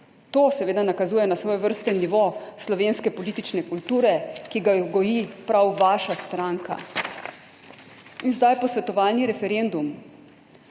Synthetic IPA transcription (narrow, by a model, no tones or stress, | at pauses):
t̪oːsɛʋeːd̪anakazuːjɛnasʋɔːjɛʋəɾst̪ɛniʋoslɔʋeːnskɛpɔlit̪it͡ʃnɛkult̪uːɾɛkiɡaɡɔjipɾawʋaːʃast̪ɾaːŋka̰ | inzd̪ajpɔsʋɛt̪ɔʋaːlniɾɛfɛɾend̪um